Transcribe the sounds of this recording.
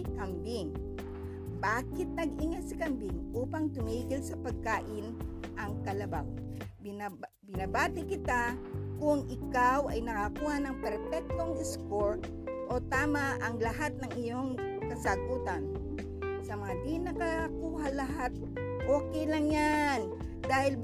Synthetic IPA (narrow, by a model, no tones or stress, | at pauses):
kambɪŋ | baːkɪt̪̚nɐɡɪŋasɪkambɪŋʔuːpaŋt̪ʊmiːɡɪlsɐpɐɡ̚kaːʔɪnʔɐŋkɐlɐba̰w | b | bɪnɐbaːt̪ɪkɪt̪akʊŋʔɪkawʔɐjnɐkakuːhanɐŋpɛɾfɛk̚t̪oŋd̪ɪskoɹt̪̚ | ʔot̪aːmaʔɐŋlɐɦat̪̚nɐŋɪjo̞ŋ | kɐsɐɡuːt̪an | sɐmɐŋad̪inɐkakuːhalɐɦat̪̚ | ʔoːkɛjlɐŋjan | d̪aːhɪl